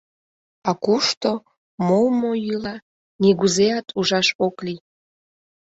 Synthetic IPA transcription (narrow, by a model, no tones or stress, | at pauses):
ɑkuʃt̪o | mowmoilɑ | niɣuzeɑt̪ʰuʒɑʃokli